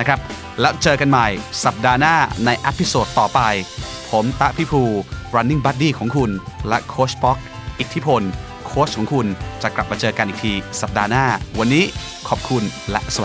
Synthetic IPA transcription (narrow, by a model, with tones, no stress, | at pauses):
na˦˥kʰɾa˦˥p̚ | lɛː˦˥wt͡ɕɤː˧ka˧nma˨˩jsa˨˩p̚daː˧naː˥˩na˧jʔɛ˦˥pʰːi˦˥soː˨˩t̪ːɔː˨˩pa˧jpʰo˩˦mt̪a˦˥ʔpʰi˦˥pʰuː˧ɾa˧nːi˦˥˩ŋbaː˦˥t̪̚diː˥˩kʰɔː˩˦ŋkʰu˧nlɛ˦˥kʰoː˦˥spɔ˦˥k̚ | ʔi˨˩t̪ʰi˦˥pʰo˧n | kʰoː˦˥skʰɔː˩˦ŋkʰu˧nt͡ɕa˨˩kla˨˩p̚ma˧t͡ɕɤː˧ka˧nʔi˨˩t̪ʰiː˧sa˨˩p̚daː˧naː˥˩wa˧nːiː˦˥ | kʰɔː˨˩p̚kʰu˧nlɛ̰˦˥ʔsa˧wa˨˩